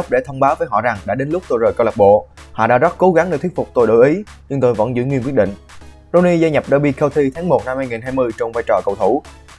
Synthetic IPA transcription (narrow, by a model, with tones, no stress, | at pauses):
k͡p̚ɗe˧˩t̪ʰə˧wŋ͡mɓaː˨˦wvəː˨˦jɦɔ̰˧˨za˨˩ŋɗa̰ː˧˥ɗe˨˦nlʊ˦˥k͡p̚t̪o˧jzəː˨˩jkə˧wlə˨˩k͡p̚ɓo̰˧˨hɔ̰˧˨ɗa̰ː˧˥zə˦˥t̚ko˨˦ɣa˨˦ŋɗe˧˩t̪ʰi˦˥ət̚fʊ˨˩k͡p̚t̪o˧jɗə̰˧˨˩ʔi˨˦ɲɨ˧ŋt̪o˧jvə̰˧˥nzɨ̰˧˥ŋwi˧nkwt̚ɗḭ˧˨ŋ | zo˧ni˧zaː˧jɲə˨˩p̚ɗəː˧ɓi˧kə˧wt̪ʰi˧t̪ʰaː˨˦ŋmo˨˩t̚na˧mhaː˧jŋi˨˩nɦaː˧jmɨ˧əjt͡ɕwŋ͡mvaː˧jt͡ɕɔ˨˩kə˨˩wt̪ʰu˧˩